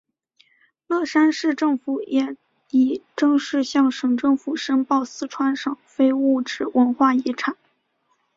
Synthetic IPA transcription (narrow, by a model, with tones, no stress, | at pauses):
lɤ˥˩ʂa˥nʂɻ̩˥˧ʈ͡ʂɤ˥˩ŋfu˨˩˦jɛ˨˩ | i˨˩ʈ͡ʂɤ˥˧ŋʂɻ̩˥˧ɕjɑ˥˩ŋʂɤ˨˩ŋʈ͡ʂɤ˥˩ŋfu˨˩ʂə˥npɑ˥˩ʊsɹ̩˥ʈ͡ʂʰwa˥nʂɤ˨˩ŋfe˥ɪu˥˩ʈ͡ʂɻ̩˨˩wə˧˥nxwa˥˩i˧˥ʈ͡ʂʰa˨˩˦n